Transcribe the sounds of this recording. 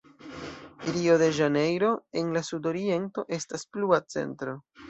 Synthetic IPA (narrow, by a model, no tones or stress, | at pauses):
iɾio̞ðe̞ʒane̞jɾo̞e̞nlasudo̞ɾie̞nto̞ʔe̞staspluat͡se̞̰ntɾo̞